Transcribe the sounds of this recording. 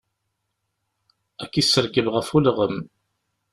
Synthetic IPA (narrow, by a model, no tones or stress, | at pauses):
ækːisːəɾɡəvʁəfulʁəm